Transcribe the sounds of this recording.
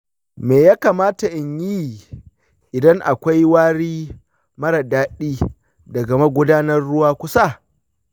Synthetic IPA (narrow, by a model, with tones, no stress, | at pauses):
meː˨jaː˦kaː˨maː˦ta˨ʔɪ˨ɲji˦˨ | ʔɪ˨dɐ˦ŋʔa˨kʷa˦jwaː˦ɽiː˦ | mɐ˦ɽa˨daː˦ɗiː˦ | dɐ˨ɡɐ˨ma˦ɡʷʊ˦daː˦nɐ˦rːʊ˦waː˦kʷʊ˦sa˦˨